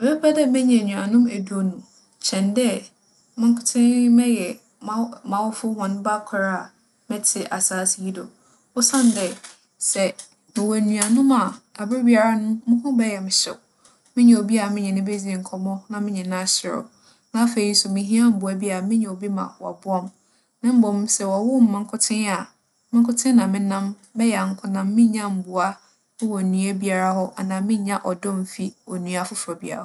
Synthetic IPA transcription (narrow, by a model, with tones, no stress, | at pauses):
ɛ˨bɛ˦pʰa˦dɛ˦mɛ˦ɲɛ̃˨ɲũ˨a˨nʊ̃˦mæ˨du˦o˨nũ˨ | t͡ɕʰɛ̃˨ndɛ˦ | mɪ̃˦ŋ˦kʰʊ˨˦tʰɪ̃˦mɛ̃˦jɛ˨ | ma˦mã˨wɔ˦fʊ˦hɔ̃˨n˦ba˦kʷʰa˨ɾa˦a˨ | mɛ̃˦tʰɪ˨ʔa˨saː˦˨sɪ˨ji˦dɔ˨ | ɔ˦sã˦˨n˨dɛ˨ | sɛ˨ | mɪ̃˨wæ˨nũ˨a˨nʊ̃˦ma˨a˨bɪ˦bi˦a˨ɾa˦nʊ̃˦mʊ̃˦kʊ̃˦bɛ˦jɛ˨mɪ̃˨ɕɛ̰˨ | mɪ̃˦ɲɛ̃˨o˨bi˦a˨mɪ̃˦ɲɛ̃˨nɪ̃˦be˦d͡zi˦e˨ŋ̩˨kʰɔ˦mɔ̃˦nã˨mɪ̃˦ɲɛ̃˨nã˦ɕɪ˨ɾʊ̰˨ | nã˦fe˨i˦sʊ˨mɪ̃˨ɦĩ˦a˦m̩˨bʊ˨a˦bi˦a˨a˨mɪ̃˦ɲɛ̃˨o˨bi˦mã̰˨a̰˨bʊ˦ɔ˦m | nã˦m̩˦bɔ˨m˦sɛ˨wɔ˨wʊ˦m̩˨mã˨ŋ̩˦kʰʊ˦tʰɪ̃˦na˨ | mɪ̃˦ŋ˦kʰʊ˦tʰɪ̃˦nã˨mɪ̃˦nã˦m | bɛ˦jɛ˨ŋ̩˦kʰʊ˦nã˨mː˦ɪ̃˦ɲã˦m̩˨bʊ˨a˦ | ɪ̃˦wɔ˨nũ˨e˦bi˦a˨ɾa˦hɔ˦ʔa˨nãː˨mɪ̃˦ɲã˦ʔɔ˨dɔ̃˦m˨fi˦ɔ˨nũ˨a˨fʊ˦fɾɔ˨bi˦a̰˨ɾa˨